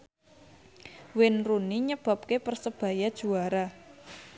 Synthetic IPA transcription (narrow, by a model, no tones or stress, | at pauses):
wɪnruniɲəb̥a̤p̚kepərsəb̥ä̤jad̥ʒ̥ṳaɾa